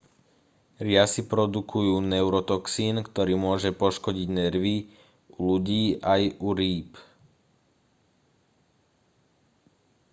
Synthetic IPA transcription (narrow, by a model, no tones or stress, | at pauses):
ɾɪasipɾɔd̪ukʰujuːnɛʊɾɔt̪ɔksiːnkt̪ɔɾiːmʊɔʒɛpɔʃkɔɟiɟnɛɾʋi | uluɟiːʔajuɾiːp